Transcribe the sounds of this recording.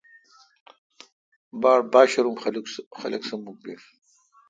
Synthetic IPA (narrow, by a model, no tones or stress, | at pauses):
baːɽbaːɕɐɾumlxɐlɐ̰ksɐmːuk̚bef